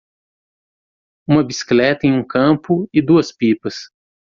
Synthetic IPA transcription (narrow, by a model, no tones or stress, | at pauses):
ũmɐbisi̥klɛt̪ɐẽj̃ũkɐ̃pʊɪd̪uɐspipɐs